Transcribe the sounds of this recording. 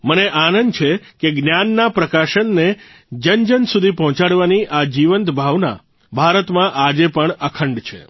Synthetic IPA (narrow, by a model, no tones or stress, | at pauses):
məneʔanənt͡ʃʰekeɡnjanːapɾəkaʃənːe | d͡ʒənd͡ʒənsud̪ʱipɔɦɔ̃t͡ʃaɽʋaniʔad͡ʒiʋənt̪bʱaʋna̰ | bʱaɾət̪mãʔad͡ʒepəɳəkʰəɳɖt͡ʃʰḛ